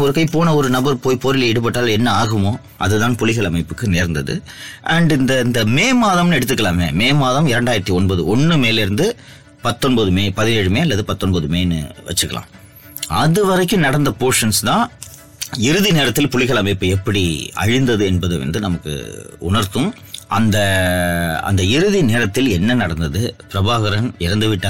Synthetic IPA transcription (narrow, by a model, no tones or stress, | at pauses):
ɔɾɯkɐɪpoːnɐɔɾɯnɐbɐɾpoːjpɔɾɪlɛɽɯp̬ɐʈːaːlɛnːɐaːɣɯmoː | ʔɐ̰ðɯt̪ãːnpɔɭɪɣɐɭɐmɐɪpːɯkːɯneːɾnd̪ɐðɯ̰ | ʔɐɳɖɪnd̪ɐɪnd̪ɐmeːmaːðɐmnɯɛɽɯt̪̬ːɯkːɐlaːmḛːmeːmaːðɐmɪɾɐɳɖaːjɪɾɐt̪ːiɔnbɐðɯɔnːɯmeːlɪɾɯnd̪ɯ | pɐt̪ːɔnbɐðɯmeːpɐðɪneːɻɯmeːɐlːɐðɯpɐt̪ːɔnbɐðɯmḛːnːɯ̰ʋɐ̰t͡ʃːɯkːɐ̰lʔa̰ː | ɐðɯʋɐɾɐɪkːɯnɐɽɐnd̪ɐpoːʂɐnst̪ãː | ɪɾɯðineːɾɐt̪ːɪlpʊlɪɣɐɭaːmɪpːɐːɛpːɐɽiɐ̰ɻɪnd̪ɐðɯɛnbɐðɯʋɐ̰nd̪ɯnɐmɐkːɯ̰ʊɳɐɾt̪ɯ̃m | ʔɐ̰nd̪ɐ | ɐ̰nd̪ɐɪɾɯðineːɾɐt̪ːɪlɛnːɐnɐɽɐnd̪ɐðɯpɪɾɐbaːɣɐɾɐnɪɾɐnd̪ɯʋɪʈːa